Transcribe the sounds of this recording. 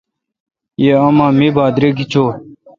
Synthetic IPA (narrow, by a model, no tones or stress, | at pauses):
jeɐmãːmibaːd̪ɾeɡit͡ɕʰoː